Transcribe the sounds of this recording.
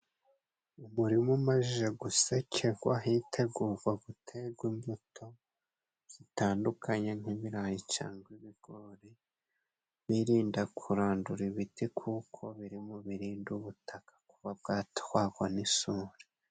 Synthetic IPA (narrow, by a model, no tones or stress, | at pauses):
umuɾimumaʒiʒeɡusecʰeɡwa̰ɦitʰe̞ɡuːɾɡwaɡutʰeɡwimbutʰo̞ | z̥itaːndukʰaɲe̞ŋiβiɾajit͡ʃa̰ːŋɡwiβiɡ̥oɾe | βiɾiːndakʰuɾaːnduɾiβitikʰukʰo̞βiɾimoβiɾiːnduβutʰakḁkuβab̚ɡaːtwaɡwanisuːɾe